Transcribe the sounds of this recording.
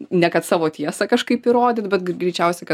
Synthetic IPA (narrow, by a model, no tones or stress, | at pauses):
nʲɛkɐt̪sɑːʋoːt̪ʲiɛsɐkɐʃkɐɪpɪɾoːd̪ʲɪt̪bʲɛt̪ɡɡɾʲɛɪt͡ʃʲɛʊsʲɛkɐ